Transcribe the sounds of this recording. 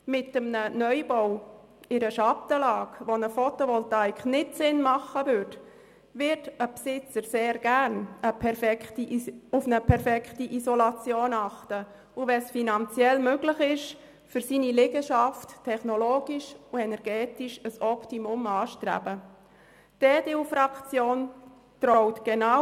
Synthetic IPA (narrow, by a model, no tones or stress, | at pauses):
mɪtːəmnənœjbow | ɪɾəʃɑtəlɑːkʋonəfɔtoʋɔltajkχnɪtsɪnmɑχəvʏɾt | vɪɾtəpsɪt͡səɾseːɾɡ̥æɾnəpʰɛɾfɛktiʊfnəpʰɛɾfɛktiʔisɔlɑt͡sjoːnɑχtə | ʊʋɛsfinɑnt͡sjɛlmøɡlɪχɪʃ | fʏɾsiːnilɪɡəʃɑfttʰːɛχnɔloːɡiʃʊɛnɛɾɡ̥ɛːtiʃəsɔptimʊmɑːʃtɾæ̰bə | d̥eːdeufrɑkt͡sjoːn | trɔɔʊtɡ̥ena